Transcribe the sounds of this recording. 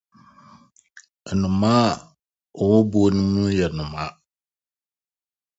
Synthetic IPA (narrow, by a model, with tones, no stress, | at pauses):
nʊ̃˨mã˦˨ | ɔ˨wɔ˦bo˦o˦nũ˦mũ˦jɛ˨nʊ̃˨mã˦